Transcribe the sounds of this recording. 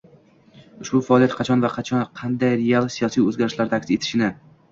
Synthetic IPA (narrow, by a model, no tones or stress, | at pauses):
ʊʃbʊfaːlˠiat̪̚qʰɑt͡ʃʰɒnvaqʰɑt͡ʃʰɒnqʰɑnd̪ajɾealˠsijɒsijɵzɡʲaɾɪʃlaɾd̪akʲse̞t̪ʰɪ̥ʃɪnɪ